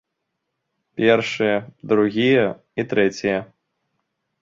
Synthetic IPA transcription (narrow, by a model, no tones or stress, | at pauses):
pʲɛrʂɨjɐd̪ɾuɣʲijɐ | it̪ɾɛt͡sʲijɛ